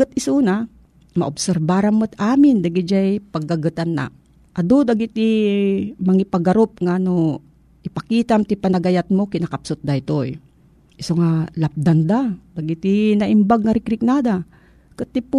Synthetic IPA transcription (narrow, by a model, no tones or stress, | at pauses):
ɨt̪̚ɪsuna | mɐ̰ʔoʊbsɛɾbaɾanmot̪aːmɪnd̪aɡɪd͡ʒajpɐɡːaɡɨt̪anːa̰ | ʔad̪od̪aɡɪt̪̚i | mɐŋipaɡɐɾop̚ŋano | ʔɪpɐkiːt̪amt̪ipɐnɐɡajat̪̚mokɪnɐkapsʊt̪̚d̪ait̪oj | ʔɪsoŋalap̚d̪and̪ad̪aɡɪt̪inɐʔɪmbaɡ̚ŋaɾɪkɾɪk̚nad̪a | kɨt̪ːip